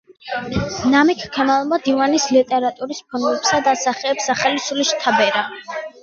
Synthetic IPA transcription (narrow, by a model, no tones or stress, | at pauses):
namikʰkʰɛmalˠmad̪ivanislit̪ʼɛɾat̪ʼuɾispʰɔnɛpsad̪asaχɛːpsaχalisuliʃt̪ʰabɛɾa